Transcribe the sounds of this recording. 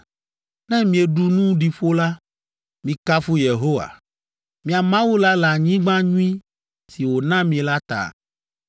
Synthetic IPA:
nɛ̃˦mĩ˨e˨ɖu˦nũ˦ɖi˨ɸo˦la˦ | mĩ˨ka˦fu˦je˨ɦo˦wa̰˨ | mĩ˨a˨mã˦wu˦la˦la˨ɲĩ˦ɡ͡bã˦ɲũ˦ĩ˦ | si˨wo˨nã˦mĩ˨e˨la˦t̪a̰˨

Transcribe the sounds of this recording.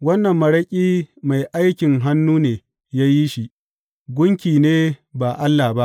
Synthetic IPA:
wɐ˦nːɐ˨mːɐ˨ɽɐ˦kʲʼiː˦ma˨jʔa˦jkʲɪ˨ŋɦa˦nːuː˦neː˨ | jaː˦ji˦ʃi˦ʔ | ɡʷʊ˦ŋkʲiː˨neː˦ba˨ʔa˦lːa˨ba˦ʔ

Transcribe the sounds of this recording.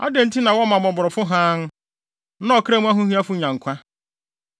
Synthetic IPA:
a̰˦dẽ˨n̩˦tʰi˦nã˨wɔ˦mã˨mɔ˨bʊ˨ɾɔ˨fʊ˦ɦãː˦nʊ˦ | nã˦ɔ˨kʰɾa˦mũ˦a˦ɦʊ̃˦ɦĩ˦a˦fʊ˦ɲã˨ŋ̩˨kʷʰa˦

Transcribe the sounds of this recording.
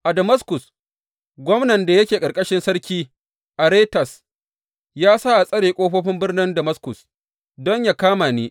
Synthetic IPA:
ʔa˨dɐ˨mɐ˦skʊ˨s | ɡʷɔ˦mnɐ˨nda˨jɐ˦kʲeː˨kʼɐ˨kʼɐ˦ʃɪ˦nsɐ˦ɾkʲiː˦ | ʔa˨ɾeː˦tɐ˨s | jaː˦saː˦ʔa˨sʼɐ˦ɽeː˨kʷʼoː˦ɸoː˦ɸɪ˦mbɪ˦rnɪ˦ndɐ˨mɐ˦skʊ˨s | dɔ˦ɲja˨kaː˦maː˨ni˦

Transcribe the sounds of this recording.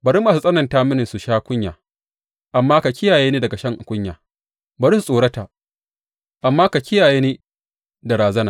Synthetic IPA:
bɐ˨ɾi˦mːaː˨s̬u˦sʼɐ˦nɐ˨ntaː˦mɪ˦nɪ˨nsu˨ʃaː˦kʷʊ˦ɲja̰ː˨ | ʔa˨mːaː˦ka˨kʲɪ˦jaː˨jeː˦niː˦dɐ˨ɡa˨ʃɐ˦ŋʔa˨kʷʼʊ˦ɲja̰ː˨ | bɐ˨ɾi˦su˨sʼoː˨ɽɐ˦ta˨ | ʔa˨mːaː˦ka˨kʲɪ˦jaː˨jeː˦neː˦ | da˨ɾaː˨zɐ˦naː˨

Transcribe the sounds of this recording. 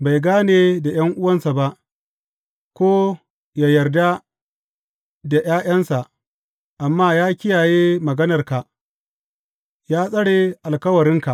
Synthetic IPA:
ba˨jɡaː˦neː˨da˨j̰ɐ˦ŋʔʊ˦wɐ˦nsa˨ba˦ʔ | kʷoː˦ | ja˨jɐ˨rda˦ | da˨j̰aː˦j̰ɐ˦nsa˨ʔ | ʔa˨mːaː˦jaː˦kʲɪ˦jaː˨jeː˦mɐ˨ɡɐ˦nɐ˨rka˨ʔ | jaː˦sʼɐ˦ɽe˨ʔa˨lkɐ˦wɐ˨ɾɪ˦ŋka˨

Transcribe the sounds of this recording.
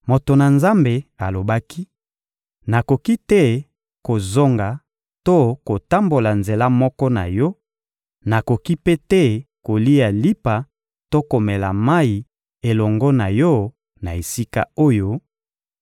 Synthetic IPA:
mo˨to˨na˨nza˦mbe˨a˨lo˨ba˦ki˦ | na˨ko˨ki˦tɛ˦˨ | ko˨zo˦ŋɡa˨ | to˦ko˨ta˦mbo˨la˨nze˨la˦mɔ˦kɔ˦na̰˨jɔ˦ | na˨ko˨ki˦pe˦tɛ˦ko˨li˦a˨li˦pa˨ | to˦ko˨mɛ˨la˨ma˦i˨ | e˨lɔ˨ŋɡɔ˦na˨jɔ˦ | na˨e˨si˦ka̰˦o˦jo˦

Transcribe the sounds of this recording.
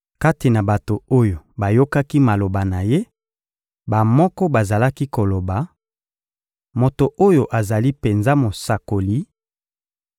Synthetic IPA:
ka˦ti˨na˨ba˨to˨o˦jo˨ba˨jo˦ka˦ki˦ma˨lo˨ba˨na˨je˦ | ba˨mɔ˦kɔ˦ba˨za˨la˦ki˦ko˨lo˨ba˨ | mo˨to˨ʔo˦jo˨ʔa˨za˨li˦pe˨nza˦mo˨sa˨ko˨li˨˦

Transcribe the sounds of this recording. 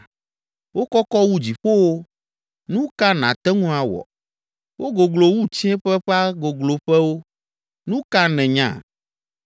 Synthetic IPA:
wo˦kɔ˦kɔ˦wu˦d͡ʑi˨ɸo˦wo˦ | nũ˦ka˦nã˨t̪ɛ˦ŋũ˦a˨wɔ̰˨ | wo˦ɡo˨ɡlo˨wu˦t͡ɕĩ˦ɛ˦ɸɛ˦ɸa˦ɡo˨ɡlo˨ɸɛ˦wo˦ | nũ˦ka˦nɛ̃˨ɲã̰˨

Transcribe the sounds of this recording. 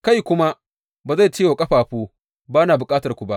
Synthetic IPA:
ka˦˨jkʷʊ˦ma˦ | baː˨za˦˨t͡ʃiː˦joː˨kʼɐ˦ɸaː˨ɸuː˦ | baː˦naː˨bʊ˨kʼaː˦tɐ˨rkʷu˨ba˦ʔ

